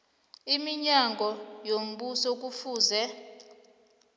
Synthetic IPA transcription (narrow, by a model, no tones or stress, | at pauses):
imiɲaŋɡʱɔjom̩ɓusɔk̬ufuːzɛ